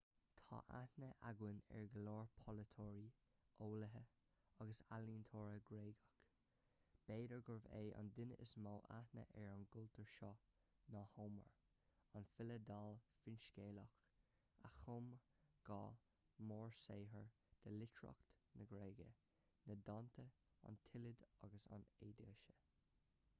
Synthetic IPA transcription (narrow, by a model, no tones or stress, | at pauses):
t̪ʰɑ̰ːʔa̰tnəʔaɡwɪnɛ̰ɹɡəloːɹpʰɔlət̪ʰɔːɹiʔoːləɦə | ɑɡəsaliːnt̪ʰoːɹəɡɾeːɡək | b̥eːdəɹɡʊɹvḛːʔɑ̰nd̪ɪnəəsmoːʔa̰tnə̰ʔɛɹənɡʊlt̪əɹʃɔ | nɑːhoːmə̰ɹ | ɑnfɪləd̪alfɪnʃkeːləx | axʊmɡ̥ɑː | mɔːɹseːɦəɹ | d̪̥əlɪtʰɹɔ̰kt̪nəɡɾeːɡə | nədɑnt̪ʰə | ɔ̰nt̪ʰɪlɪd̪ɑ̰ɡəsɑ̰neːd̪iʃə̥